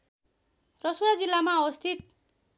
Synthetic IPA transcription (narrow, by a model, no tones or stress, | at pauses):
rʌsuwad͡zilːamaʌʌst̪ʰit̪̚